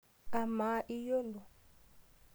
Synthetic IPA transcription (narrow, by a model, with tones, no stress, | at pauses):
a˨ma˨˦ʔi˦jɔ˦lɔ˨